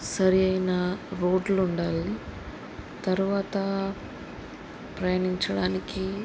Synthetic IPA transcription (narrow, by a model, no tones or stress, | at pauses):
sɐɾiɐjnɐɾo̞ːɖluɳɖaːli | t̪ɐɾuʋaːt̪ɐ | pɾɐjɐːɳiɲt͡ʃɐɽaːniki